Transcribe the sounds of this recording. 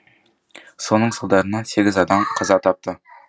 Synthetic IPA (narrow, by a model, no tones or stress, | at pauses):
so̞nəɴsəlˠd̪ɑɾənɑse̞ɡʲɪzɑd̪ɑmqʰɑzɑt̪ʰɑp̚t̪ə